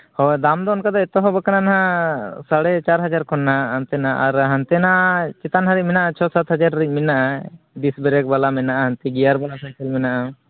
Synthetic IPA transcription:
hɔjd̪amd̪ɔɔnkad̪ɔɛt̪ɔɦɔ̃bəkananaɦãsaɽɛt͡ʃaɾɦad͡ʒaɾkʰɔnːaɦant̪ɛnaʔaɾɦant̪ɛnat͡ʃɛt̪anɦaɾiˀminaʔat͡ʃʰɔsat̪ɦad͡ʒaɾːic̚minaʔa | ɖisbɛɾɛk̚balamɛnaʔahant̪iɡijaɾbalasajkəlmɛnaʔa

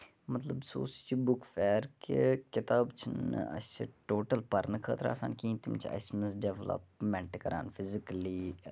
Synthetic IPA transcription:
mɐt̪ləbso̰ːst͡ʃʰibʊkfɛːɾkekɪt̪aːbt͡ʃʰn̰ɐ̰st͡ʃʰiʈoːʈəlpɐɾnəkʰəːt̪ɾa̰ːsa̰ːnkĩːnt̪imt͡ʃʰɐ̰sməsɖeʋlə̰pmɛ̃ɳʈkɐɾa̰ːnfʰɪzɪkliː

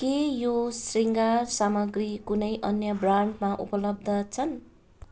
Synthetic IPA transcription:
kejosriŋɡarsamʌɡrikunʌjʔʌnjʌbraɳɖmaʔṵpʌlʌb̚d̪ʱʌt͡sʰʌn

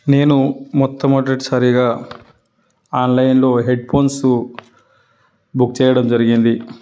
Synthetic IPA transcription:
ne̞ːnumɔt̪ːɐmɐɖɐʈsaɾiɡaː | aːnlɐjnlo̞ːɦe̞ɖpʰo̞ːnsu | bukt͡ʃɛːjɐɽɐmd͡ʒɐɾiɡind̪i

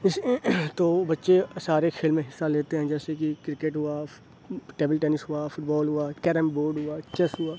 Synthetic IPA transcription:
ɪst̪oːbɐtːʃesaːɾekʰeːlmẽɦɪsːaleːt̪eɦɛ̃d͡ʒɛːsekikɾɪkeʈɦʊaː | ʈeːbəlʈɛːnɪsɦʊafʊʈ̚bɔːlɦʊaːkɛːɾəmboːɾɖɦʊaːt͡ʃɛsɦʊaː

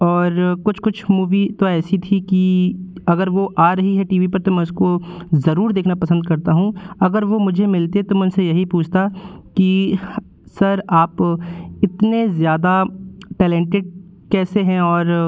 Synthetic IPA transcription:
ɔːɾkʊt͡ʃʰkʊt͡ʃʰmuːʋit̪oɛːsit̪ʰikiɐɡəɾʋoʔaːɾɐɦiɦɛʈiːʋipɐɾt̪omɛ̃ːʊskozɐɾuːɾd̪eːkʰnapɐsə̃nd̪̚kɐɾt̪aɦũɐɡəɾʋomʊd͡ʒʱemɪlt̪et̪omʊd͡ʒsejɐɦipuːt͡ʃʰt̪aki | sɐɾaːpɪt̪nezjaːd̪aʈɛːlɛ̃ɳʈɪɖ̚ | kɛːseɦɛ̃ɔːɾ

